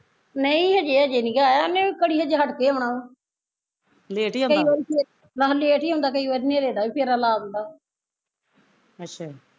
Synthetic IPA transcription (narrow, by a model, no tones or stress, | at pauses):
nəĩɦəd͡ʒeːəd͡ʒeːnĩːɡaːjanẽːikəɽiːɦəd͡ʒeɦəʈkeːəʋɳaːõː | leʈĩkəːʋaːɾiːpe | laɦleeːʈiːɦõːnd̪aːk̬əiːʋaːɾiːnẽːɾeːd̪aːʋiːpʰɪɾalaːʊ̃nd̪aː | ətːʃʰaː